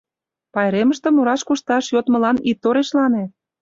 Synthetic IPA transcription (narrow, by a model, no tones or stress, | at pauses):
pɑeɾemə̆ʃt̪ĕmuɾɑʃkuʃt̪ɑʃjot̪mɤ̆lɑnit̪ːoɾeʃlɑne